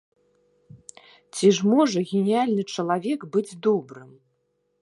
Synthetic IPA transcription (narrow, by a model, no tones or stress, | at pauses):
t͡sʲiʐmɔʐɐɣʲenʲijalʲnɨt͡ʂɐlˠavʲɛkbɨd͡zʲd̪ɔbɾɨm